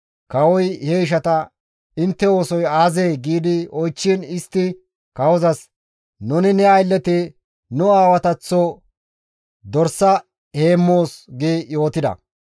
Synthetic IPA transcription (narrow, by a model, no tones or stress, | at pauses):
kɐwɔjheɪʃ̬ɐt̪ɐ | ɪnt̪ːɛo̞ːsɔjaːzeːɡiːd̪ɪɔjt͡ʃːinɪst̪ːɪ | kɐwɔzɐs | nʊnɪnɛɐjlːɛt̪ɪ | nʊaːwɐt̪ɐt͡sːo | d̪ɔɾsːɐ | he̞ːmːo̞ːsɡeːjo̞ːt̪ɪd̪ɐ̰